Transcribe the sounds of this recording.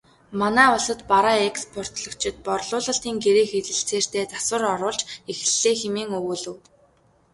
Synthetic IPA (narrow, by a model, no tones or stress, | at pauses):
manæːʊɮsə̆t̪paɾaekspʰɔr̥t̪ɮɞ̆kt͡ɕʰɪ̆t̪̚pɔrɮʊːɮə̆ɬt̪iːŋɡeɾeːxet̪ɘ̆ɬt͡seːr̥t̪eːt͡sḁswə̆rɔɾʊːɮt͡ɕex̆ɮːeːxemeːŋɵɣuːɮɘ̆w